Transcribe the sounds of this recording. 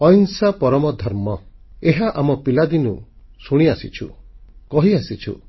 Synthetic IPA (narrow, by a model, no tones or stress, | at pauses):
ɔjŋsapɔɾɔmɔd̪ʱɔɾmɔeɦaʔamɔpilad̪inusuɽ̃iasit͡ʃʰṵkɔɦiasit͡ʃʰṵ